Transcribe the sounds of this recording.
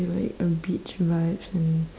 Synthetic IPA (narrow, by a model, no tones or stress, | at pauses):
la̰ɪkəbit͡ʃvaɪvsɨ̃n